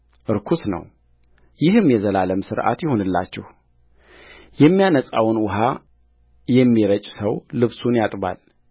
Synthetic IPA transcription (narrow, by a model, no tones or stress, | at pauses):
ʔɨɾkʰusnə̰w | jɪhɨmjɛzəlaləmsɨɾʔa̰t̪jɪho̞nɨlːa̰t͡ʃːɪ̰h | jɛmːijanəsʼawnwʊɦa | jɛmːiɾət͡ʃʼsəwlɨβsunjat̪ʼba̰l